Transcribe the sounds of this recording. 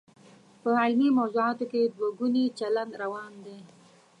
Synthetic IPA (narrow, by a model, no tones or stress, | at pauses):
pəainimawzuɑt̪oked̪waɡunit͡ʃaland̪ɾawɑnd̪e